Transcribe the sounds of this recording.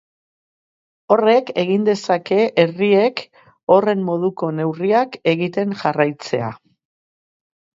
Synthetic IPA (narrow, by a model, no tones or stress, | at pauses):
o̞re̞ke̞ɣind̪e̞sake̞ʔerie̞k | o̞re̞mːo̞ðuko̞ne̞wriake̞ɣit̪e̞ŋʝarajt͡se̞a̰